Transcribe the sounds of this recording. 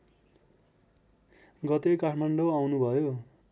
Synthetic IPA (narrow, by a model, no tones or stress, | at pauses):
ɡʌt̪ekaʈʰmaɳɖoawnubʱʌjo